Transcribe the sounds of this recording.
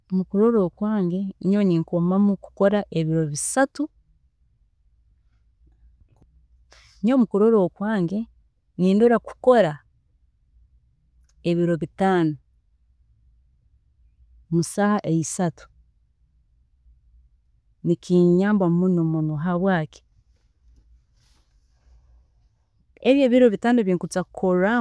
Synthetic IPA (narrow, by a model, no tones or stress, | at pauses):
omukuɾoɾoːkwaːŋɡe̞ɲoɲiŋkomamuku̥ko̞ɾaʔeβiɾo̞βisatu | ɲomukuɾoɾoːkwaːŋɡe̞ | niːndoɾaku̥ko̞ɾa | eβiɾo̞βitaːno | musahaʔeisatu̥ | nikiɲaːmbamunomonoɦaβwaːke̥ | eβjeːβiɾo̞βitaːnoβjeːŋkut͡sakukʰoɾa